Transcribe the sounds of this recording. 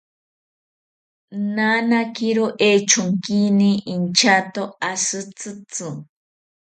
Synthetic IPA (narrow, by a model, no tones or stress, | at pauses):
nanakiɾoʔet͡ʃʊŋkiniːnt͡ʃat̪oasɨt͡sɨt͡sɨ